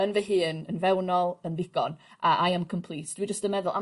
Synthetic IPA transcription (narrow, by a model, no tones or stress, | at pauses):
ənvɛɦɨːnənvɛwnɔlˠənðɪɡ̥ɔnʔaʔajamkʰəmpʰlˠisd̥wid͡ʒəstəmɛðʊlˠa̰